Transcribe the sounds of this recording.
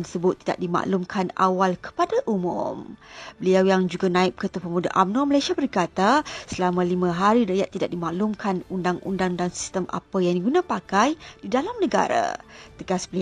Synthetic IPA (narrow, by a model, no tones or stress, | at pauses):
nsəbʊt̪ːida̰ʔ̚dima̰ʔlumkʰana̰walkə̥padaʔumʊ̰̃mbəliawjaŋd͡ʒuɡanãɪp̚kət̪upəmudaʔamnɔməlajsiabərkat̪asəlamãlimə̃ɦaɾiɾaʔjat̪ːidaʔ̚dimaʔlumkʰanundaŋʔundaŋdaŋsi̥st̪əmʔa̰pajaŋdiɡunãpakajdidalamnəɡa̰ɾa̰t̪əɡasbəl